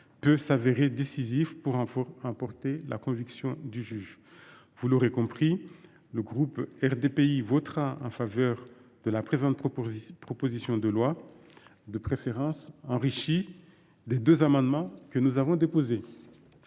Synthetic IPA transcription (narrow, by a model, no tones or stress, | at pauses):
pøsaveʁed̪esizifpuʁɑ̃ɑ̃pɔʁt̪elʔa̰kɔ̃viksjɔ̃d̪yʒyʒ | vuloʁekɔ̃pχi | ləɡʁupɛʁd̪epeivɔt̪χaɑ̃favœʁd̪̥əlapχezɑ̃t̪pχɔpozisjɔ̃d̪əlwa | d̪əpχefeʁɑ̃sɑ̃ʁiʃi | d̪ed̪øzamɑ̃d̪mɑ̃kənuzavɔ̃d̪epoze